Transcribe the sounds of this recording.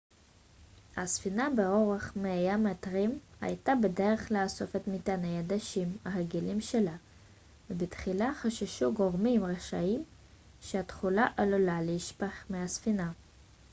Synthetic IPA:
hasfinabeo̞ʁeχmejamatʁima̰jtabede̞ʁeχleaso̞fe̞tmit̪anejad̪aʃimhaʁeɡilimʃela | vebitχilaχaʃaʃuɡo̞ʁmimʁeʃaim | ʃeat̪χulaʔalolaleiʃpaχmeasfina

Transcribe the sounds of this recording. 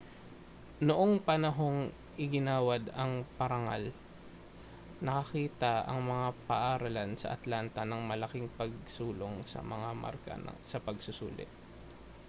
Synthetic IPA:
noʔoŋpɐnɐɦo̞ŋ | ʔɪɡɪnaːwɐd̪ɐŋpɐɾɐŋa̰l | nɐkɐkiːt̪ɐɐ̰ŋmɐŋapɐʔaːɾɐlansɐ̰ʔɐ̰t̪laːnt̪ɐnɐŋmɐlɐkɪŋpɐɡ̚suːlo̞ŋsɐ̰mɐŋama̰ɾkɐ̰ɐ̰sɐpɐɡsʊsṵːlɪ̰t̪̚

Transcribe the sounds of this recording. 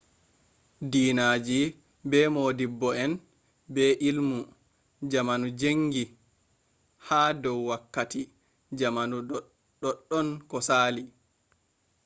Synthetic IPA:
diːnaːd͡ʒi | bɛmoːdibːɔɛn | bɛʔilmu | d͡ʒamanud͡ʒeŋɡi | haːdɔwːakːati | d͡ʒamanu | ɗɔɗːɔnkɔsaːli

